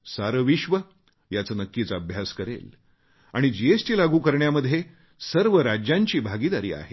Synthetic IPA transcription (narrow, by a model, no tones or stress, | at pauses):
saɾəʋiɕʋə | jat͡səːnəkːit͡saəbʱjaskəɾḛl | a̰ɽ̃id͡ʑiesʈiːlaɡuːkəɾɳjaməd̪ʱːje | səɾʋəɾad͡ʑjãɲt͡ɕiːbʱaɡid̪aɾḭːa̰ɦe